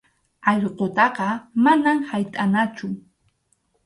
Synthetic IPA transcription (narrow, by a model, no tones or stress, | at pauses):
ɑʎqot̪ɑqɑmanamhajt̪ʼanat͡ʃʊ